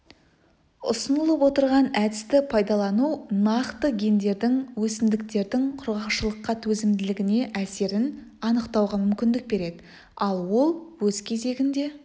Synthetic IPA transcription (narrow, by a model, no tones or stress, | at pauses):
ʊ̰sənəlˠəpwo̞t̪əɾʁɑnæd̪ɪst̪ɪpʰɑjd̪ɑlˠɑnuwnɑqt̪əɡʲe̞nd̪e̞ɾd̪ɪŋwɵsɪnd̪ɪk̚t̪e̞ɾd̪ɪŋqʰʊɾʁɑqʃəlˠəqːɑt̪ʰɵzɪmd̪ɪlɪɡʲɪne̞ʔæse̞ɾɪn | ɑnəqt̪ɑwʁɑmʏmkʲɪnd̪ɪk̚be̞ɾe̞d̪ɪ | ɑlˠwo̞lˠwɵz̥kʲʰe̞ze̞ɡʲɪnd̪e̞